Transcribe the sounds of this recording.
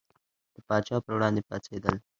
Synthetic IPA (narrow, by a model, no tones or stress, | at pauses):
d̪̥əpɑt͡ʃɑpəɾwɽɑ̃nd̪epɑ̰sed̪əl